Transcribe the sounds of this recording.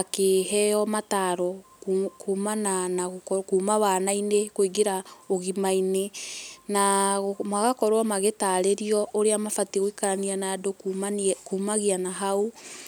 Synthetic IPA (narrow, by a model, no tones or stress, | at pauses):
akeɦɛjɔmataɾɔ | kumananaɣkuːmawanainekoiɡeɾaoɣimainenaɣmaɣakɔɾwamaɣetaɾeɾiɔʔoɾeamafatiɣoikaɾanianado | kumaɣianaɦau